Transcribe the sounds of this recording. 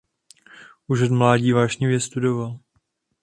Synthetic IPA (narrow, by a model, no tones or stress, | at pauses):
ʔuʒot̪mlaːɟiːvaːʒɲivjɛst̪udoval